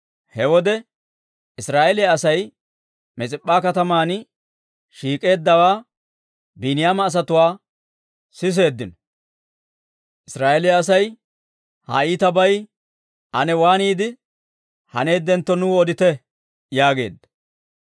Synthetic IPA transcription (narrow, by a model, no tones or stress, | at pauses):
hɛwɔd̪ɛ | ɪsɾaːʔɛlɪjaɐsɐj | mɛt͡sʼɪpʼːaːkɐt̪ɐmaːnɪ | ʃiːkʼe̞ːd̪ːɐwaː | binɪjaːmɐːs̬ɐt̪ʊwaː | sɪs̬e̞ːd̪ːɪnɔ | ʔɪsɾaːʔɛlɪjɐsɐj | hɐ̰iːt̪ɐbɐj | hɐ̰nɛwaːniːd̪ɪ | hɐ̰ne̞ːd̪ɛnt̪ːɔnʊɔd̪ɪt̪ɛ | jaːɡe̞̰ːd̪ːɐ